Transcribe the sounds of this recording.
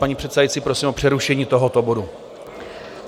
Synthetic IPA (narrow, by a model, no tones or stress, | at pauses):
aɲiːpr̝̥ɛt̪sɛdajit͡siːpɾosiːmʔor̥ɛɾuʃɛɲiːt̪o̞ɦot̪obo̞du